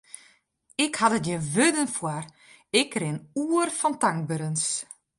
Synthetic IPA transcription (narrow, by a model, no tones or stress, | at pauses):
ɪkhatətjəʋødənfwar | ɪkrɪnuərfɔntaŋ̚bəɾəns